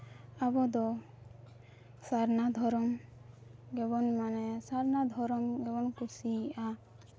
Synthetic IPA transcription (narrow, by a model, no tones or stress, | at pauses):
abɔd̪ɔ | saɾnad̪ʱɔɾɔm | ɡɛbɔnmanɛsaɾnad̪ʱɔɾɔmɡɛbɔnkusiʔa